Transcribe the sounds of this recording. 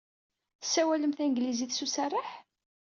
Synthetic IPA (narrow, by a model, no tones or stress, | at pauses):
θə̥sːæwæləmθænɡliziθsusarˤːəħ